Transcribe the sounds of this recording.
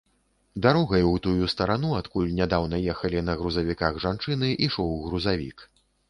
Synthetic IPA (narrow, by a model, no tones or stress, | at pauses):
d̪aɾɔɣɐjwt̪ujust̪ɐɾan̪uat̪kulʲnʲad̪awnɐjɛxɐlʲinɐɣɾuzɐvʲikaɣʐant͡ʂɨnɨʔiʂɔwɣɾuzavʲḭk